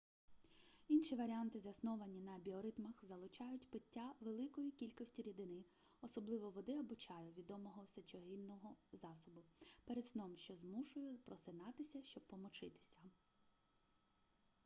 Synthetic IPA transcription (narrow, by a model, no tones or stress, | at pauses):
inʃiʋɐɾʲiant̪ɪzɐsnɔʋɐnʲinɐɐbʲiɔɾɪt̪mɐxzɐlˠʊt͡ʃɑjʊtʲpɪtʲːaʋelˠɪkɔjikʲilʲkɔsʲtʲiɾʲid̪ɪnɪ | ɔsɔblˠɪʋɔʋɔd̪ɪɐbʊt͡ʃɑjʊʋʲid̪ɔmɔɦɔsɐt͡ʃɔɦinːɔɦɔzɑsɔbʊpɛɾed̪snɔmʃt͡ʃɔzmuʃʊjʊpɾɔsɪnɑt̪ɪsʲɐʃt͡ʃɔb̚pːɔmɔt͡ʃɪt̪ɪ̥sʲɐ